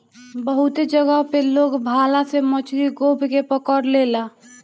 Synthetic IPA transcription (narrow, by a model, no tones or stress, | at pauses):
bəɦʊt̪ed͡ʒəɡəɦpeloːɡbʱaːlasemət͡ʃɾiɡoːbʱkepəkəɾleːla